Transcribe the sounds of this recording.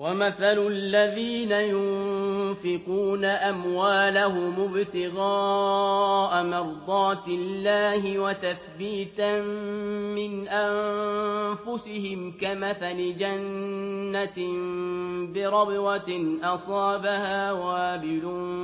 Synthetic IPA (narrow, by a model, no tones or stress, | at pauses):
wamaθalʊlːaðiːnajʊnfɪquːnaʔamwaːlaɦʊmʊbt̪ɪɣaː | ʔamɑɾˤd̪ˤɑːt̪ɪlːaːhɪwat̪aθbiːt̪aː | ɪnʔa | fʊsɪhɪmkamaθalɪd͡ʒanːambɪɾˤɑbwɑnʔɑsˤɑːbahaːwaʔabɪluː